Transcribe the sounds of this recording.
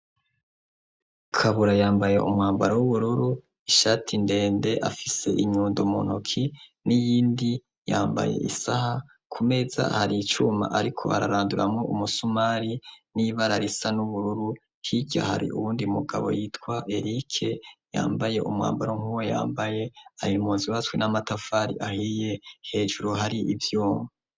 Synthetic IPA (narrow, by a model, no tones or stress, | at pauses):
kʰaβuɾajaːmbaje̞̰ʔumŋaːmbaɾawuβuɾuɾu | iʃaːtʰinde̞ːnde̞ʔafise̞ʔiɲuːndumonukʰinijiːndi | jaːmba̰je̞̰ʔḭsaha | kʰume̞za̰haɾiit͡ʃuma̰ʔaɾikʰo̞̰a̰ɾa̰ɾaːnduɾamŋoʔumusumaɾiniβaɾaɾisanuβuɾuɾu | hiɟa̰ha̰ɾḭʔuβuːndiumuɡaβo̞̰jiːtkwaʔe̞ɾikʰe̞ja̰ːmbaje̞ʔumŋa̰ːmbaɾoŋ̥huweja̰ːmbaje̞ajimuːnziwatwenamatafaːɾḭʔahiːje̞he̞ːʒuɾuɦaɾiʔivjoːma